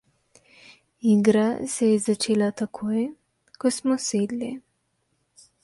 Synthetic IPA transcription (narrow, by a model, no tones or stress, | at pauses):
iɡɾasɛjɛzat͡ʃeːlat̪akʰoːj | kɔsmɔseːd̪li